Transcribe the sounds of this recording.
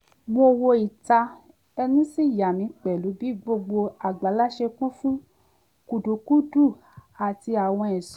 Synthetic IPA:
mo˧wo˧i˨ta˧ | ɛ˧nĩ˦si˦˨ja˨nĩ˨˧˦k͡pɛ˨lu˨˦bi˦ɡ͡bo˧ɡ͡bo˧a˨ɡ͡ba˨˦la˦ʃe˧kũ˦fũ˦ | ku˨du˨˦ku˦du˦˨ | a˨ti˧a˨w̃ɔ̃˧ɛ˨s

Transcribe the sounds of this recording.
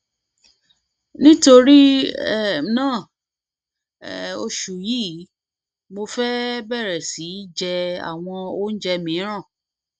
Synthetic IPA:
nĩ˦to˧ɾi˦ɛ˦˨˦nãː˦˨ | o˧ʃu˨jiː˦ | mo˧fɛ˦bɛ˦˨ɾɛ˨si˨˦d͡ʒɛ˧a̰˨w̃ɔ̃˧o˦n̩˦d͡ʒɛ˧mĩ˨˦ɾ̃ã˦˨

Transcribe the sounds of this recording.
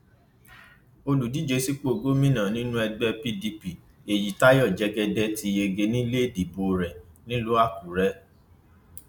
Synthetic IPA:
o˧lu˨di˨˦d͡ʒe˧si˦k͡po˦˨ɡo˦mĩ˦nã˨nĩ˦nũ˦ɛ˧ɡ͡bɛ˧pi˦di˧pi˨ | e˨ji˨ta˦jɔ˦˨d͡ʒɛ˦ɡɛ˧dɛ˧ti˧e˧ɡe˧nĩ˦le˦˨di˨bo˧ɾɛ˨nĩ˦lo˦a˦˨ku˨ɾɛ˦

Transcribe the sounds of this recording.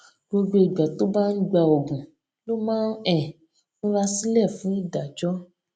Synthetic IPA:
ɡ͡bo˧ɡ͡be˧i˨ɡ͡ba˨to˦ba˦n̩˦ɡ͡ba˧o˨ɡũ˨ | lo˦mãː˦n˦ɛ˨ | nõ˦ɾa˧si˦lɛ˦˨fũ˨˦i˦˨da˨d͡ʒɔ˦

